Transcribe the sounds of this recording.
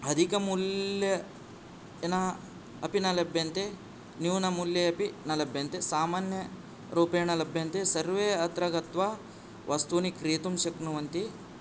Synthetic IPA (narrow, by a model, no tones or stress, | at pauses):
ɐd̪ʱikɐmulɐ | nɐ | ɐpinɐlɐbʱjɐnt̪e | njuːnɐmuljɐɐpinɐlɐbʱjɐnt̪esaːmaːnjɐ | ɾuːpeːɳɐlɐbʱjɐnt̪esɐɾʋeːɐt̪ɾɐɡɐt̪ʋɐ | ʋʔɐst̪unikɾiːt̪umʃɐknuʋɐnt̪i